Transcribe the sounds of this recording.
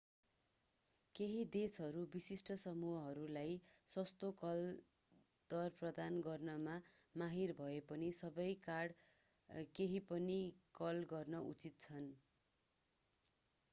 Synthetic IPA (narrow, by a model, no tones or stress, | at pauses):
keɦid̪esɦʌɾubisisʈʌsʌmuɦʌɦʌɾulajsʌst̪okʌl | d̪̥ʌrprʌd̪anɡʌrnʌmamaɦirbʱʌepʌnisʌbʌjkaɽ | keɦipʌnikʌlɡʌrnʌʔṵt͡sit̪̚t͡sʰʌn